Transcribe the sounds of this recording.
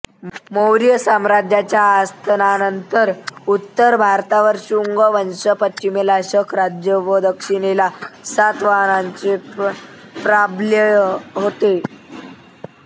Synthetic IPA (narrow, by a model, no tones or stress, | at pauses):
mowɾjəsamɾad͡ʑjat͡ɕjaːst̪ʰənanənt̪əɾut̪ːəɾbʱaɾt̪aʋəɾɕuŋɡəʋənɕəpəimelaɕəkʰɾad͡ʑjəʋəd̪əkʂinelasat̪ʋanaɲt͡ɕe | pɾabljəɦot̪e